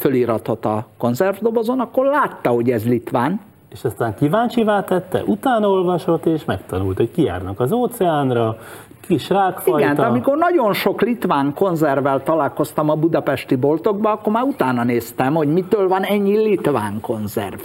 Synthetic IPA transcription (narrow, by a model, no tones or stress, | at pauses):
føliːɾɒt̪o̞t̪ːɒko̞nzɛrvd̪obozonɒkːo̞rlaːt̪ːɒho̞ɟɛzlit̪ʋaːn | eʃɒst̪aːŋkivaːɲt͡ʃivaːt̪ɛt̪ːɛ̰ʔut̪aːnɒo̞lvɒʃo̞t̪ːeːʃmɛkt̪ɒnult̪ho̞ckija̰ːrnɒkɒzoːt̪sɛaːnrɒ | kiʃraːkfiɒɡɛnt̪ɒmiko̞rnɒɟo̞nʃo̞klit̪ʋaːŋko̞nzɛrvɛlt̪ɒlaːlko̞st̪ɒmɒbud̪ɒpɛʃt̪ibo̞lt̪o̞ɡ̚bɒɒkːo̞rmaːɾut̪aːnɒneːst̪ɛmho̞ɟmit̪øːlvɒnɛɲːilit̪ʋaːŋko̞nzɛ̰rv